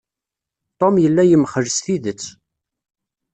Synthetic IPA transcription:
t̪ˤomjəlːæjəmχəʒsθiðət͡sː

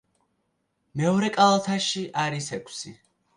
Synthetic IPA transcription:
mɛɔɾɛkʼalˠat̪ʰaʃiʔaɾisɛkʷʼʰsi

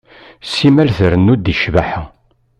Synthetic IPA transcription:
simælθəɾənːud̪iʃvaħa

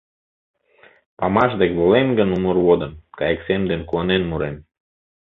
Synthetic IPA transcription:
pɑmɑʃd̪ekβolenɡənumurwod̪ə̆nkɑjeksemd̪enkuɑnenmuɾem

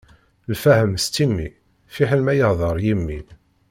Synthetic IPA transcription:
lfæhəmst̪ːimːi | fiħəlmæjəhðˤəɾˤjimːi

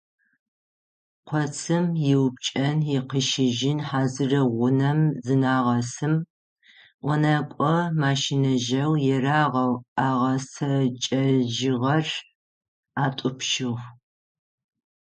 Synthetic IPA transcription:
qʷʰɔt͡sʰɨmjɪwp̚t͡ʃʼɐnjɪqəʃɪʒɪnħaːzɨrɐʁʷʊnɐmzɨnaːʁɐsɨm | ʔʷɔnaːkʷʼɔmaːʃinɐʒɐwjɛraːʁɐwaːʁɐsɐt͡ʃʼɐʒɪʁɐr | aːtʷʼʊpʃɪʁ

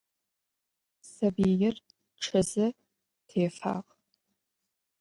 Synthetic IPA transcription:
sɐbijɪr | ʈ͡ʂʰɐzɨ | tʰeːfa̰ːʁ

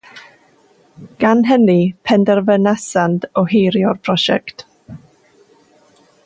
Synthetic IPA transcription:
ɡ̥anɦɛnipʰɛndɛrvənɛsandɔhejɾjɔrpʰrɔʃɛ̰kt

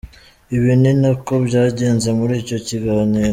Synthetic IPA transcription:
iβininako̞bɟaːɟe̞ːnzemuɾiːco̞ciɡaːniːɾo

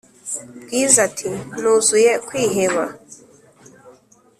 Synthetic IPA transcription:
bɡiːzatʰinuzujekwiːɦeβa

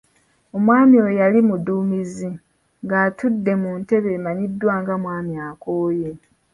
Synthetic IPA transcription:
o̞mwaːmiwojalimuduːmizi | ŋɡaːtudːe̞munte̞βe̞maɲidːwaːŋɡamwaːmiaːkoːje

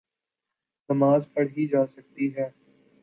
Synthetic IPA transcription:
nɐmaːzpɐɽɦid͡ʒaːsɐk̚t̪iɦɛː

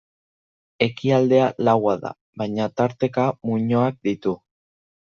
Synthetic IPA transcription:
e̞kiald̪e̞alawaða̰ | βajɲat̪aɾt̪e̞kamuɲo̞ak̚d̪it̪u

